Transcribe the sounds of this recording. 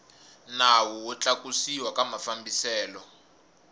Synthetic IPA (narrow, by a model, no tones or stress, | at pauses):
nawɔwɔt͡ɬakusiwakamafambisɛːlɔ